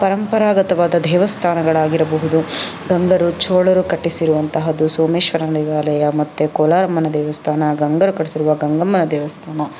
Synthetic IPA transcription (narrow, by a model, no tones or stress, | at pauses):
pɐɾɐmpɐɾaːɡɐt̪ɐʋaːd̪ɐd̪ɛːʋɐst̪ʰaːnɐɡɐɭaːɡiɾɐbɐɦud̪u | ɡɐŋɡɐɾut͡ʃoːɭɐɾukɐʈːisiɾuʋɐnt̪ɐɦɐd̪usoːmeːʃʋɐɾadiʋaːlɐjɐmɐt̪ːekoːlaːɾɐmːɐnɐd̪ɛːʋɐst̪ʰaːnɐɡɐŋɡɐɾukɐɽisiɾuʋɐɡɐŋɡɐmːɐnɐd̪ɛːʋɐst̪ʰaːnɐ